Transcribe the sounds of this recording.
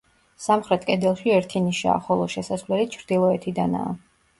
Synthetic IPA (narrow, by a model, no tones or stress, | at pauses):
samχɾɛt̪ʰkʼɛd̪ɛlˠʃiɛɾt̪ʰiniʃa̰ːχɔlˠɔʃɛsasvlɛlit͡ʃʰɾd̪ilˠɔɛt̪ʰid̪ana̰ː